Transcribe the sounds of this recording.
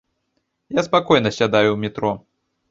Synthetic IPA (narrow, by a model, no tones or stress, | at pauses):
jaspakɔjnɐsʲad̪ajuwmʲit̪ɾɔ